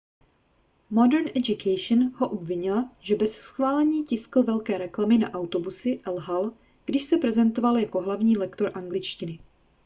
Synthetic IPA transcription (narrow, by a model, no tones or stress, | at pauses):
modɛɾnʔɛd͡ʒukʰɛjʃnho̞ʔobvɪɲɪlaʒɛbɛssxvaːlɛɲiːcɪskl̩vɛlkɛːɾɛklamɪna̰ʔawt̪o̞busɪʔɛlɦal | ɡ̥dɪʃsɛpɾɛzɛnt̪o̞valjako̞ɦlavɲiːlɛkt̪o̞ɾʔaŋɡlɪt͡ʃcɪnɪ